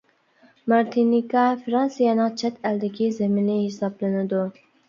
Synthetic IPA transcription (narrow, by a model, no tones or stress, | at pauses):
mɑɾt̪ʰinikɑfɾɑnsijɑnɨŋt͡ʃʰɛt̪ʰæld̪ɪkʲizemɪnɪhesɑblˠɨnɪd̪u